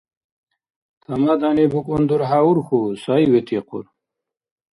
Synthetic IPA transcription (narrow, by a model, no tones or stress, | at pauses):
t̪ʰɐmad̪anebukund̪uɾɦauɾxusajwet̪ʰiqṵɾ